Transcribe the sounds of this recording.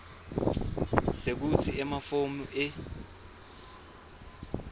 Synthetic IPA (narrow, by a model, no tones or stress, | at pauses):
sek̬ut͡sʰiɛmafomuʔɛ